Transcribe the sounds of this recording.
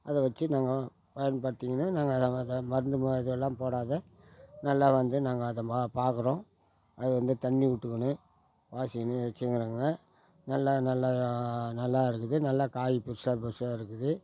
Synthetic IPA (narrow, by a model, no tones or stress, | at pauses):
ɐðɐʋɐt͡ʃːɯnaːŋɡɐ | pɐjɐnpɐɽɯt̪ːiːŋɡɐnːanaːŋɡɐðɐmɐɾɯnd̪ɯmɐðɯɣɛlːãːpoːɽaːðɛ | nɐlːaːʋɐnd̪ɯnaːŋɡɐːðɐmapaːɾkɯɾõː | ɐðɯʋɐnd̪ɯt̪ɐɳːiʊʈːɯkːɐɳɯ | ʋaːsɪɐnːɯʋɛt͡ʃːɯŋɡɪɾaːŋɡɐ | nɐlːanɐlːanɐlːaːɪɾɯkːɯðɯnɐlːaːkaːjipʊɾsaːpɪɾsaːɪɾɯkːɯðɯ